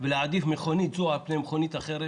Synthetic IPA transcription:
velead̪ifmeχonit̪zoapnemχonit̪aχeɾe

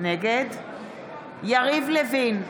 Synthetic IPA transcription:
neɡed̪ | jaʁivlevin

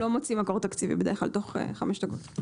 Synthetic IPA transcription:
o̞mot͡simako̞ʁt̪akt͡sivḭbed̪exla̰lt̪o̞χḛχamɛʃd̪ako̞t̪

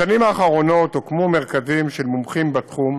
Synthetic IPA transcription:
animaːχaʁo̞no̞tokmomeʁkazimʃelmomχimbat̪χum

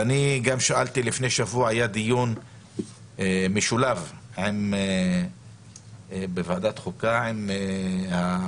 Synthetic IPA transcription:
aniɡamʃaʔalt̪ilifnejʃavuaajad̪ijun | emiʃulavʕeme | bevad̪at̪χukaʕemeha

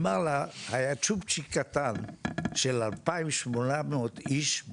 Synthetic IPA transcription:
malahajat͡ʃup̚t͡ʃikat̪anʃelalpaimʃmonameot̪iʃ

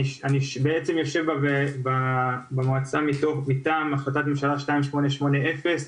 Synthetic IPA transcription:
iʃaniʃbeet͡se̞mjo̞ʃe̞vbaebabemoat͡samit̪oχmitaːmaχloat̪at̪memʃalaʃtaimʃmo̞neʃmo̞neʔefe̞s

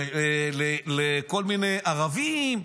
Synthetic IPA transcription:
leleko̞lminejʔaʁavim

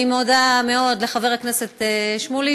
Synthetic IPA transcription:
imodame̞o̞dle̞χave̞ʁaknese̞t̪eʃmuli

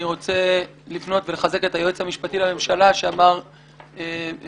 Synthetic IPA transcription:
iʁo̞t͡se̞ | lifno̞tve̞leχaze̞ke̞thajoet͡shamiʃpatilame̞mʃalaʃeamaʁ | e

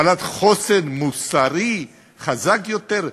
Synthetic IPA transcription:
alat̪χosenmusaʁi | χazakjo̞t̪eʁ

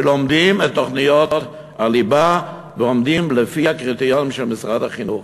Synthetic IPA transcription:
lomdimetːoχnijott | aliba | veomd̪imlefiakʁit̪ijonmʃɛlmisʁadhaχinuχ

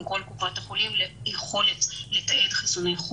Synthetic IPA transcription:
mko̞lkufat̪jeχolimljeχo̞let̪let̪aed̪χisonejχ

